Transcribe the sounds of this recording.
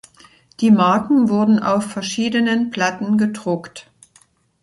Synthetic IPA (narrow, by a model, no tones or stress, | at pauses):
d̥iːmaɐkŋ̩vʊɐdn̩ʔa̰ʊfɛɐʃiːdənənpl̥atn̩ɡədʁʊkt